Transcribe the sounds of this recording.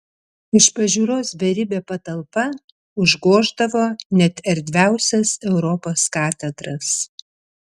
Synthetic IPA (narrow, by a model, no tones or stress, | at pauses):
ɪʃpɐʒʲuːɾoːsʋʲɛɾʲɪbʲeːpɐt̪ɐlˠpɐ | ʊʒɡoːʒd̪ɐʋoːnʲɛt̪ʲɛɾʲd̪ʲʋʲæˑʊsʲɛsɛʊɾɔpoːskɑːt̪ʲɛd̪ɾɐs